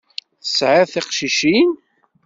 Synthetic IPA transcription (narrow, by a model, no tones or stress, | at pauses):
θə̥sʕaθiqʃiʃin